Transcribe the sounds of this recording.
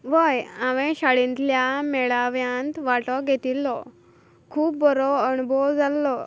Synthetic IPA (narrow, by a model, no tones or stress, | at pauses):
ʋəjaʋɛ̃ɕaɽint̪ljamɛɭaʋjãnt̪ʋaʈɔɡʱet̪ilːɔ | kʰuːp̚bɔɾɔəɳ̃ubɔd͡zalːɔ